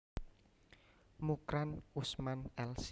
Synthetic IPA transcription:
mukɾanusmanɛls

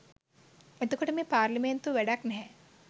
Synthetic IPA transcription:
et̪ukɐʈɐmepaːɾliment̪uʋɛɽaknɛɦɛ̃

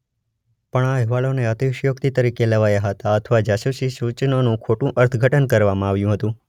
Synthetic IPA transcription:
pəɳaɦɛʋaloneət̪iʋʃjokt̪it̪əɾikeləʋajaɦət̪aət̪ʰəʋad͡ʒasuʃisut͡ʃnonũkʰoʈũʔəɾt̪ʰɡʱəʈənkəɾʋamãaʋjũɦət̪ũ

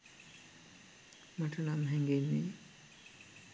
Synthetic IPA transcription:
maʈənamɦɛŋɡenːe

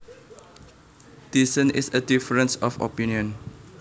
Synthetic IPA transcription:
d̥isə̃nisədifəɹə̃nsɔfɔ̰pĩniə̃n

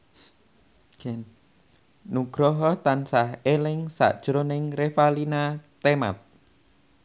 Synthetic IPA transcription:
nuɡ̥ɾɔɦɔt̪ansahelɪŋsa̰ʔd̥ʒ̥ɾonɪŋrefalinat̪ema̰t̪̚

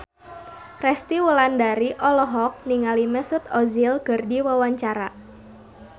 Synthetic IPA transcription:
rɛst̪iwəlandaɾiʔɔlɔɦɔk̚niŋalimɛsʊt̪ɔzilɡ̥ərdiwəwaɲt͡ʃaɾa

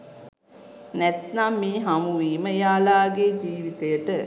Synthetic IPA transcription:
nɛt̪namːiːɦamuʋiːməjaːlaːɡed͡ʒiːʋit̪ejəʈə

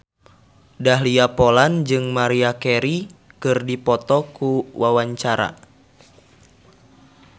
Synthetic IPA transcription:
daɦliapoland͡ʒɨŋmaɾiakɛɾi | kɨrdipɔt̪ɔkuwawaɲt͡ʃaɾa̰

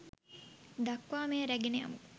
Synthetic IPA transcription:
d̪ɐkʋaːmeɾæɡeneɐ̰mu

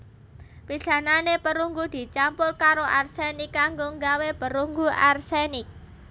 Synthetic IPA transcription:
pisananepəɾuŋɡud̪̥i̤t͡ʃampʊrkaɾoʔarsenikːaŋɡoŋɡawepəɾuŋɡuarsenɪk̚

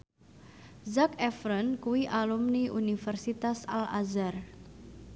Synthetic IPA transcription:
zakɛfɾənkuwiʔalumniʔunifɛrsit̪asa̰la̰zar

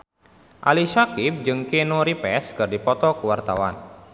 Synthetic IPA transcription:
ʔaliʃakip̚d͡ʒɨŋkenoɾipɛskɨrdipɔt̪ɔkuwart̪awa̰n

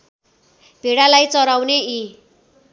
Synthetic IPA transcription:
b̥ʱeɽalajt͡sʌɾawnei

